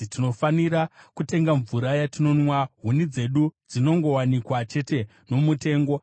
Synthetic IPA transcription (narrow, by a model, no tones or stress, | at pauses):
tino̞faniɾakute̞ŋɡaɱvuɾajatino̞nwaɦunid͡ze̞ɗud͡zino̞ŋɡo̞wanikwat͡ʃe̞te̞ | no̞mute̞ːŋɡo̞